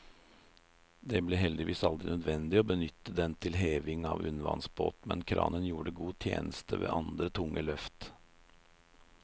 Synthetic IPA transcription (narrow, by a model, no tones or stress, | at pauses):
d̪ɛbleɦɛld̪ɪʋiːsɑld̪ɾɪnœd̪ʋɛnd̪ɪoːbənʏt̪ːəd̪ɛnt̪ʰɪlɦeːʋɪŋɑːʋʉ̰nʋɑ̰nsbo̰ːt̪mɛnkʰɾɑ̰ːnənjuːɖəɡuːt̪ʰjḛːnəst̪əʋḛːʔɑnd̪ɾət̪ʰʊŋːʔəlœft̪